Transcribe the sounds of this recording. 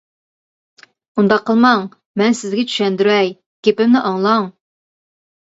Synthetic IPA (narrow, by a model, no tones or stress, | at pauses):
und̪ɑqʰːəlˠmɑŋ | mɛnsɪzɡʲɛt͡ʃʰy̥ʃɛnd̪yɾɛj | kʲʰepɪmnɪʔɑŋlˠɑŋ